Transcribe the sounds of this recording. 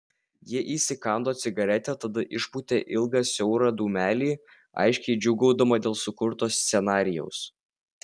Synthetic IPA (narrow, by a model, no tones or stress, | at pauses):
jiɛʔiːsʲɪkɑˑnd̪oːt̪sʲɪɡɐɾʲɛt̪ʲɛt̪ɐd̪ɐʔɪʃput̪ʲeːʔɪlˠɡɑsʲɔʊɾɑːd̪uːmʲæːlʲiː | ɐ̰ɪʃʲkʲɛɪd͡ʒʲʊɡɒʊd̪ɐmɐd̪ʲeːlˠsʊkʊɾt̪oːsʲt̪sʲɛnɑːɾʲɪjɛ̰ʊs